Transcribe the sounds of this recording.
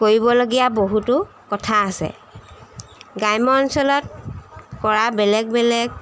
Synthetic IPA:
koɹibɔloɡijaboɦutʊ | kɔtʰaːsɛ̰ | ɡajmɔnsɔlɔt̚kɔɹabɛlɛɡ̚bɛlɛɡ

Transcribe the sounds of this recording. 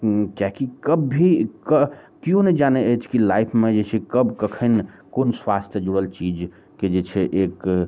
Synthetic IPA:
kjaɦkikəbːʱikəkiõned͡ʒaneət͡ʃʰkilaipʰmed͡ʒet͡ʃʰɛkəbkəkʰən | konswast̪ʰjəd͡ʒuɽəlt͡ʃid͡ʒ | ked͡ʒet͡ʃʰɛʔek

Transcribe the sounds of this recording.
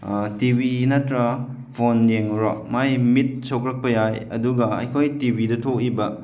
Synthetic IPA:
tibinɐtɾɐ | pʰonjeŋɾɔmajmit̚sokɾɐk̚pɐjajɐ̰duɡɐa̰jkʰojtibʱidɐtʰok̚ibɐ

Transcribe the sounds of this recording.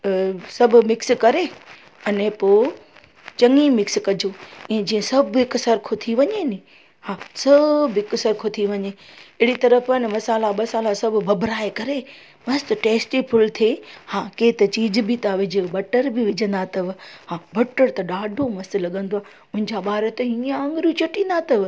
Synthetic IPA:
sɐbʱʊ̆mɪkskɐɾe | ɐnepoː | t͡ɕɐŋimɪkskɐd͡ʑʱoɛ̃ːd͡ʑiːə̃sɐbʱɪksɐɾkʰot̪ʰiʋɐɲenĩ | hãːsɐbʱɪksɐɾkʰot̪ʰiʋɐɲeɪɦɽit̪ɐɾəfənmɐsaːlaɓɐsaːlasɐbʱʊbʱɐbʱɾaːekɐɾe | mɐst̪̆ʈeːsʈipʰʊlt̪ʰehãːkeːt̪ɐt͡ɕiːd͡ʑbʱɪt̪aʋɪd͡ʑʱɪbɐʈəɾbiʋɪd͡ʑʱə̃nd̪at̪ɐʋɦãːbɐʈəɾt̪ɐɗaːɖʱomɐst̪̆lɐɠə̃nd̪oaː | ʊ̃ɦɪ̃n̆d͡ʑaɓaːɾət̪eɦiãɐ̃ŋɡɾjut͡ɕɐʈĩːn̆d̪at̪ɐʋ

